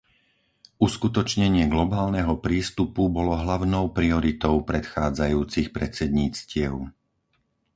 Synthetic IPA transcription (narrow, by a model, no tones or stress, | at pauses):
ʔuskut̪ɔt͡ʃɲɛɲɪɛɡlɔbaːlnɛɦɔpɾiːst̪upubɔlɔɦlaʊnɔʊpɾiɔɾit̪ɔʊpɾɛt̪xaːd͡zajuːt͡sixpɾɛt͡sɛd̪ɲiːt͡scɪɛʊ